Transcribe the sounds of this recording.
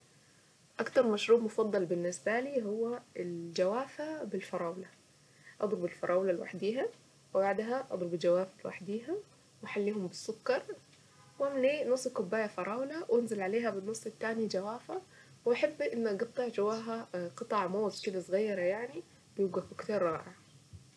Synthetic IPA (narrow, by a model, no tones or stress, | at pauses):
ʔɑkt̪ɑɾˤmaʃɾuːbmʊfɑd̪ˤːɑlbɪnːɪsbæliːɦʊwːæɪld͡ʒawaːfabɪlfɑɾˤɑːwla | ʔɑ̰d̪ˤɾʊbɪlfɑɾˤɑːwlalwa̰ħd̪iːɦa | wɪbaʕd̪ɦaʔɑ̰d̪ˤɾʊbɪld͡ʒawaːfalwa̰ħd̪iːɦa | wʔaħalːiːhʊmbɪsːʊkːɑɾˤ | wʔamːnʔeːnʊsˤːkʊbːaːjafɑɾˤɑːwlawʔanzɪlʕaleːɦabɪnːʊsˤːɪt̪ːaːnid͡ʒawaːfa | wʔaħabːʔɪnːʔɑɡɑt̪ˤːɑʕd͡ʒawaːɦaqɨt̪ˤɑʕmoːt̪kɪd̪asˤɣɑjːɑɾˤɑjaʕni | bjuːɡabʊkt̪iːɾˤːɑːʕɪʕa